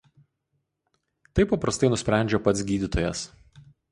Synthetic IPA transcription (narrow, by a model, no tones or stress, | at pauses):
t̪ɐɪpːɐpɾɐst̪ɐɪnʊsʲpʲɾʲæˑnʲd͡ʒʲopɐt̪sʲɡʲiːd̪ʲɪt̪ojɛs